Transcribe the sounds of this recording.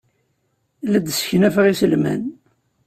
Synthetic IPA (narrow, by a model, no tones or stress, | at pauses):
læd̪sə̥çnæfəʁisəlmæ̰n